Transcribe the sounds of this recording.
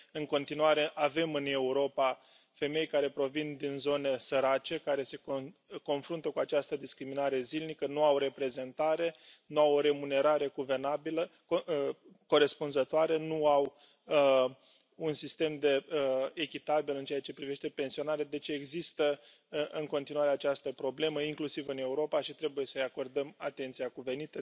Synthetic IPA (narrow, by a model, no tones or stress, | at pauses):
ɨŋko̞nt̪inuaɾe̞ʔave̞mɨne̞uɾo̞pa | fe̞me̞jkaɾe̞pɾo̞vind̪inzo̞ne̞səɾat͡ʃe̞kaɾe̞se̞koko̞nfɾunt̪əkuat͡ʃast̪əd̪iskɾiminaɾe̞zilnikənuawɾe̞pɾe̞ze̞nt̪aɾe̞nuawo̞ɾe̞mune̞ɾaɾe̞ɡuve̞rnabilə | o | ko̞ɾe̞spunzət̪oaɾenuaw | ə | unsist̪e̞md̪e̞ekʲit̪abilɨnt͡ʃeat͡ʃe̞pɾive̞ʃt̪e̞pe̞nsio̞naɾead̪e̞t͡ʃe̞ɡzist̪ə | ʔɨŋko̞nt̪inuwaɾe̞at͡ʃast̪əpɾo̞ble̞məiŋklusivɨne̞uɾo̞paʃit̪ɾe̞buje̞səjako̞rd̪əmat̪e̞nt̪sijakuve̞nit̪e